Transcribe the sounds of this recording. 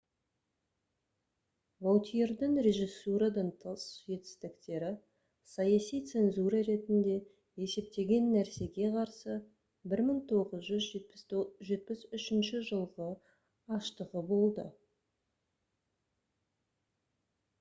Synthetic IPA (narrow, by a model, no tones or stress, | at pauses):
vow̪ˠt̪ʰijeɾd̪ɪŋɾe̞ʒisuɾɑd̪ɑnt̪ʰəsʒe̞t̪ɪ̥st̪ɪkt̪e̞ɾɪ | sɑjɑsijt̪se̞nzuɾɑɾe̞t̪ɪnd̪e̞ | e̞se̞p̚t̪e̞ɡʲe̞nːæɾse̞ɡʲe̞qʰɑɾsə | bɪɾməŋt̪ʰo̞ʁəzʒʏzʒʒe̞t̪̚pɪsʏʃɪnʃɪʒəlˠʁə | ɑʃt̪əʁəbo̞lˠd̪ə̰